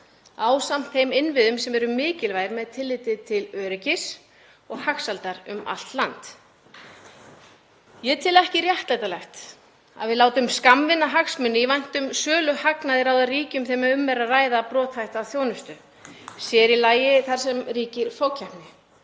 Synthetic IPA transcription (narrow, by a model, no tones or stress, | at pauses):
aːwsam̥t̪θejmɪnvɪðʏmsɛmɛɾʏmɪːcɪlvaːjɾmɛðt̪ʰɪlːɪːt̪ɪt̪ʰɪlœːɾɪcɪs | ɔɣhaxsalt̪aɾʏ̰ma̰l̥t̪lant̪ | jɛt̪ʰɪlɛhcɪrjaht̪lajt̪alɛxt̪ | a̰ðvɪðlaːwt̪ʏmskamvɪnaɦaksmʏnːɪvajn̥t̪ʏmsœːlʏhaknaðɪɾawðariːcʏmθejmaʏmːɛɾːaraːjðapɾɔːt̪hajht̪aːθjoːwnʏst̪ʏ | sjɛɾilaːjɪθaɾ̥sɛmriːcɪɾfowcʰahpnɪ